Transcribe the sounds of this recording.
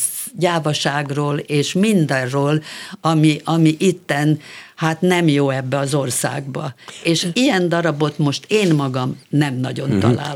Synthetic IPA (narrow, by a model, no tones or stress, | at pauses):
ɟaːvɒʃaːɡroːleːʃmind̪ɛrroːlɒmiʔɒmiʔit̪ːɛnhaːt̪nɛmjoːɛbːɛɒzo̞rsa̰ːɡ̚bɒ̰eːʃijɛnd̪ɒɾɒbo̞t̪mo̞ʃt̪eːnmɒɡɒmnɛmnɒɟo̞nt̪ɒ̰la̰ːl